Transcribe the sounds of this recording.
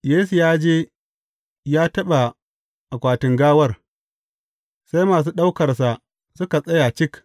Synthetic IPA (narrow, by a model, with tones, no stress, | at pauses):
jeː˦su˨jaː˦d͡ʒeː˦ | jaː˦tɐ˦ɓa˨ | ʔa˨kʷaː˨tɪ˨ŋɡaː˦wɐ˦r | sa˦jmaː˨s̬uː˦ɗa˦wkɐ˨rsa˨ʔ | sʊ˦ka˨sʼɐ˦ja˨t͡ʃɪ˦k